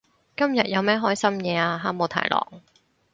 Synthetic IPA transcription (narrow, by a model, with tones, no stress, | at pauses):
kɐ˥mjɐ˨t̚jɐ˨˧wmɛː˥ɦɔː˥jsɐ˥mjɛː˨˧aː˧ɦaː˥mo˨˧wt̪ʰa̰ː˨˩jlɔ̰ː˨˩ŋ